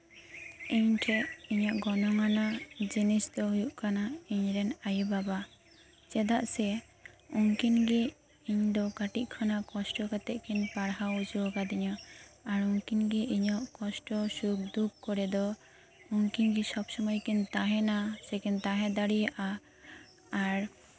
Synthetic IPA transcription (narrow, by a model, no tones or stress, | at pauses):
iɲʈʰɛʔiɲaʔɡɔnɔŋanad͡ʒinisd̪ɔɦujuʔkanaiɲɾɛnajubaba | t͡ʃɛd̪aʔsɛ | uŋkinɡɛ | iɲd̪ɔkaʈiʔ̚ˀkʰɔnaʔkɔsʈɔkat̪ɛʔkʰɛnpaɽɦaud͡ʒukad̪iɲɔaɾuŋkinɡɛʔiɲɔʔkɔsʈɔsuk̚d̪ub̚kɔɾɛd̪ɔ | uŋkinɡisɔbsɔmɔjkint̪aɦɛnasɛkɛnt̪aɦɛ̃d̪aɽijaʔaː | ɾ